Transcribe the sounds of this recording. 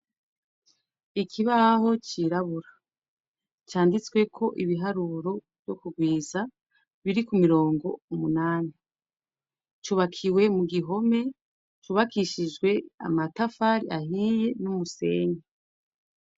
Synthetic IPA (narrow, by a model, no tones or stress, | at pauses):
ikʰiβaho̞t͡ʃiɾaβuɾa | t͡ʃaːndit͡swe̞kʰo̞ʔiβiɦaɾuɾo̞vjo̞kuɡwiːza | βiɾikumiɾo̞ːŋɡo̞umunaːni | t͡ʃuːβakʰiwe̞muɡiɦo̞me̞ | t͡ʃuβakiʃid͡ʒɡwe̞a̰matafaɾḭʔahiːje̞numuse̞̰ːɲe